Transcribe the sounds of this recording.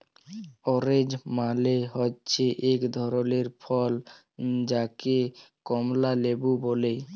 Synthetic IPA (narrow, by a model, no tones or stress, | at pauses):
ɔɾed͡ʑmaleɦɔtːɕʰeʔekd̪ʱɔɾoleɾfʰɔl | d͡ʑakekɔmlalebubole